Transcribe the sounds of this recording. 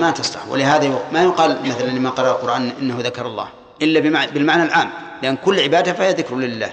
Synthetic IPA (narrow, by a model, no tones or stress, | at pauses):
mat̪ɑsˤt̪ɑ̰ħwɪ̰lɪɦaːðajʊmajʊqɑːlmɪθlanlɪmaqɑɾˤɑʔalqʊɾˤʔaːnʔɪnːahuðakɑɾˤɑlˤːɑ̰ːh | ʔɪlːabɪabɪlmaʕnalʔaːm | lɪʔanːkʊlːʕɪbaːd̪afahijaðɪkɾʊlɪlːa̰ːh